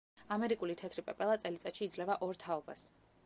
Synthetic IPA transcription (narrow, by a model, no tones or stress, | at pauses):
amɛɾikʼulit̪ʰɛt̪ʰɾipʼɛpʼɛlˠat̪sʼɛlit̪sʼaʃiːd̪zlɛvaʔɔɾt̪ʰaɔba̰s